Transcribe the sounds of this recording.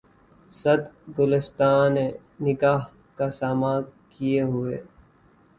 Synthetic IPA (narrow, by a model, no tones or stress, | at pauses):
sɐd̪ɡʊlɪst̪aːne | nɪɡaːɦ | kasaːmakijeɦʊḛː